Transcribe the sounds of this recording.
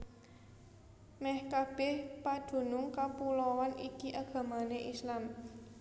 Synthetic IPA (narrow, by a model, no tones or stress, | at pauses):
mɛhkab̥ɛhpad̥ṳnʊŋkapulɔwanʔikiʔaɡ̥a̤maneʔislam